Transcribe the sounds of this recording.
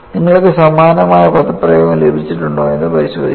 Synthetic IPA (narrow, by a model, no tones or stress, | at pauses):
niŋːɐɭkːɨsɐmaːnɐmaːjɐpɐt̪ɐpːrɐjoːɣɐlebʱit͡ɕːiʈːuɳɖo̰ːe̞nːɨpɐɾiɕwo̰ːd̪ʱi